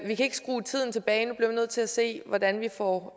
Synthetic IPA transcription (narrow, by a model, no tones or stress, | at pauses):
ʋikʰæe̝ɡ̥əsɡ̥ʁṵːt͡sʰið̰ˠn̩t͡sʰe̝b̥ɛːɪnub̥liɐʋinøð̞̰ˠt͡sʰe̝læse̝̰ːʋɒd̥ænʋifɒ